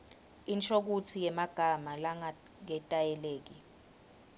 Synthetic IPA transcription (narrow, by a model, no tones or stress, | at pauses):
int͡ʃʰʼok̬utʰijɛmaɡ̥ʱamalaŋ | ŋɛtʼajɛleːk̬i